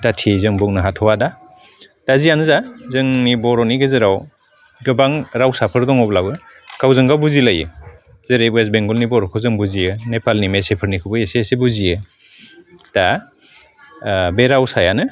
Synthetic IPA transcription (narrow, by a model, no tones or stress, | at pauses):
tatʰizɯŋbuŋnɯɦatʰɔwada | tazianɯzazɯŋnibɔɾɔniɡɯzɯɾaw | ɡɯbaŋɾawsapʰɯɾdɔŋɔblabɯ | kawzɯŋɡawbuzilajɯ̰ | z̥ɯɾewes̬beŋɡɔlnibɔɾɔkʰɯwzɯŋbuzijɯnepalnimesepʰɯɾnikʰɯbɯjesesebuzijɯ | ta | beɾawsajanɯ